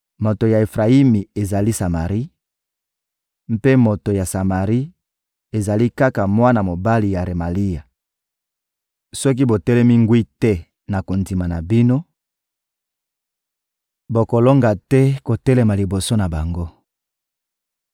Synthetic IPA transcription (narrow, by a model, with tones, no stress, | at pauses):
mo˨to˨ja˨e˨fʁa˨i˦mi˨e˨za˨li˦sa˨ma˨ʁi˦ | m̩˦pe˦mo˨to˨ja˨sa˨ma˨ʁi˦ | e˨za˨li˦ka˦ka˨mwa˦na˨mo˨ba˦li˨ja˨ʁe˨ma˨li˦ja˨ | sɔ˦k̬i˦bo˨tɛ˦lɛ˦mi˦ŋɡwi˦tɛ˦ | na˨ko˨ndi˨ma˨na˨bi˦no˦ | bo˨ko˨lo˦ŋɡa˨tɛ˦ko˨tɛ˦le˨ma˨li˨bo˨so˦na˨ba˨ŋɡo˦